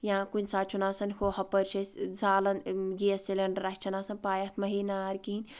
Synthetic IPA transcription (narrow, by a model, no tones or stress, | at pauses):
jãːkunʲsaːt͡ʃʰunaːsɐnhʰohɐpɐɾt͡ʃʰɐszaːlɐnɡijɐsilʲɐɳɖɐɾɐkʲt͡ʃʰɐnaːsɐnpaːjɐt̪ʰmɐɦiːnaːɾkiinʲ